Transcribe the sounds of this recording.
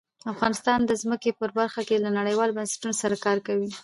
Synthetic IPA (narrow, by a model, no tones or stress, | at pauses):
afɣɑnɪst̪ɑnd̪əzməkepəɾbaɾxakelanaɽəjwɑlbansḁʈunosaɾakɑɾkawi